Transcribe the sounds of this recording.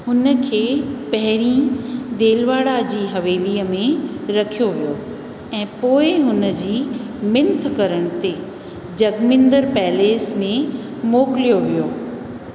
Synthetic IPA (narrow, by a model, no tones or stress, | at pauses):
ɦʊnə̆kʰeːpɐɦɪɾĩd̪eːlʋaːɽad͡ʑiːɦɐʋeːliːəmẽɾɐkʰijoʋijo | ɛ̃ːpoːɪɦʊnə̆d͡ʑiː | mɪ̃nt̪ʰkɐɾəɽ̃t̪e | d͡ʑɐɡmɪ̃nd̪əɾpɛːleːsmẽ | moːkɪlijoʋijoː